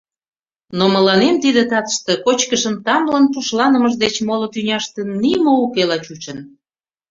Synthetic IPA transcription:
noməlɑnemt̪id̪ət̪ɑt̪ə̥ʃt̪ekot͡ɕkəʃəmt̪ɑmlənpuʃlɑnəməʃd̪et͡ɕmolot̪ynʲɑʃt̪ə̆nːimoukelɑt͡ɕut͡ɕən

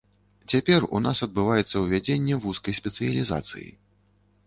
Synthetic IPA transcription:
t͡sʲapʲɛrṵnasɐd̪̚bɨvajɛt̪sːɐwvʲad͡zʲenʲːɛvuskɐjsʲpʲɛt̪sɨjɐlʲiza̰t̪sɨ̰jḭ

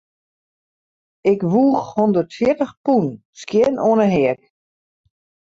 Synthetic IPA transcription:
ɪkʋuːxhɔndərtfjɪətəxpun | skjɪnoənəɦɛək̚

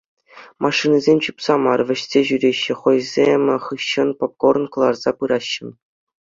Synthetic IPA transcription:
mʔɑʂːɯnʲɘzʲemʲt͡ɕupsɑmɑrʋʲɘ̆ɕsʲeʑyɾʲeɕːɘ̆χŏjzʲemʲχɯɕːɤ̆npop̚kor̆nkɤ̆lˠɑrz̥ɑpɯɾɑɕːɤ̆n

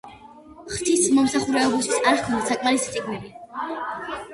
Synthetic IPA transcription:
χt̪ʰismɔmsaχuɾɛɔbist̪ʰi̥saɾɾkʰɔnd̪asakʼmaɾist̪sʼiɡnili

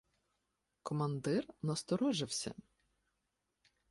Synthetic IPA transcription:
kɔmɐnd̪ɪrnɐst̪ɔɾɔʒɪwsʲɐ̰

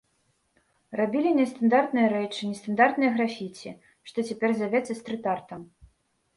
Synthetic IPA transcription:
rabʲilʲinʲɛst̪and̪art̪nɨjɐɾɛt͡ʂɨnʲɛst̪and̪art̪nɨjɐɣɾafʲit͡sʲi | ʂt̪ɔt͡sʲɛpʲɛrzʲjavʲɛt̪sːɐst̪ɾɨt̪art̪ɐm

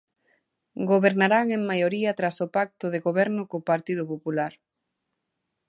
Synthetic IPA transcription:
ɡoβeɾnaɾaŋeŋmajoɾiɐt̪ɾasopak̚t̪ʊðeɣoβɛɾnʊkopaɾt̪ið̞ʊpopulaɾ

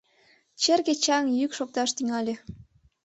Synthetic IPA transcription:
t͡ɕerket͡ɕɑŋjykʃok̚t̪ɑʃt̪yŋɑlʲe

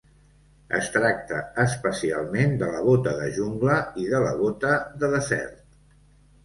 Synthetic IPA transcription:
ə̰st̪ɾak̚t̪əːspəsia̰lˠmend̪ələβ̞ot̪əðəʒuŋɡləiðələβ̞ot̪əðəðəzɛ̰ɾt̪̚

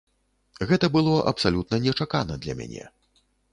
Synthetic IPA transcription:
ɣɛt̪ɐbɨlˠɔʔɐ̰psalʲut̪̚nɐnʲɛt͡ʂakanɐd̪lʲɐ̰mʲa̰nʲɛ̰

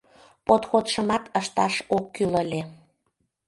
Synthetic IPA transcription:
pot̪xot̪ʃəmɑt̪əʃt̪ɑʃokːyləlʲe

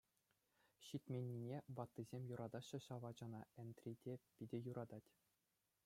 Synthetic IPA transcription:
ɕit̪ʲmʲenʲːinʲeʋɑt̪ːizʲemʲjuɾɑd̪ɑɕːɤ̆ɕɑʋɑd͡ʑɑnɑɛnt̪rʲidʲepʲidʲɘ̆juɾʔɑd̪ɑtʲ

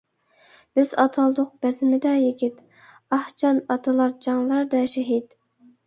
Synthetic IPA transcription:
b̥ɪzɑt̪ʰɑlˠd̪ʊq̚bɛzɪmɪd̪ɛjeɡʲit̪ | ɑht͡ʃʰɑnɑt̪ʰɨlˠɑɾd͡ʒɑŋlˠɑɾd̪ɛʃɛɦid̪

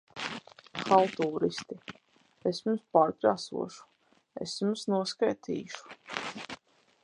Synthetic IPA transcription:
xalˠt̪uːɾist̪i | esjumspaːɾkɾaːsṵɔʃu̥ | ḛsjumsnuɔskajt̪ʰḭːʃu̥

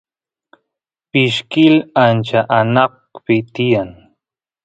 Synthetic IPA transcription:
pɪʃkɪlant͡ʃaʔanɑq | pɪt̪ɪjaŋ

